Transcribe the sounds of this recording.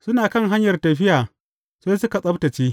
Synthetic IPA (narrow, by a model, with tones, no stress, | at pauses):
sʊ˦naː˨kɐ˦˨ŋɦa˦ɲjɐ˨rtɐ˨ɸɪ˦jaː˨ | seː˦sʊ˦ka˨sʼɐ˦btɐ˨t͡ʃiː˦